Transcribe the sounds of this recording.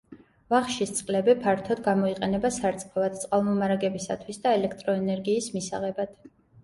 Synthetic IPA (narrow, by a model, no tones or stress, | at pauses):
vaχʃist̪sʼqʼlɛbipʰaɾt̪ʰɔd̪̚ɡamɔiqʼɛnɛbasaɾt̪sʼqʼɔvad̪̥̚t̪sʼqʼalˠmɔmaɾaɡɛbisa̰t̪ʰwisd̪aɛlɛkʰt̪ʼɾɔɛnɛɾɡiːsmisaʁɛbad̪̥